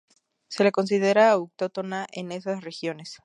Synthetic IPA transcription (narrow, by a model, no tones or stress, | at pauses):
se̞leko̞ns̬iðe̞ɾaːuk̚t̪o̞t̪o̞naʔene̞sasre̞xjo̞ne̞s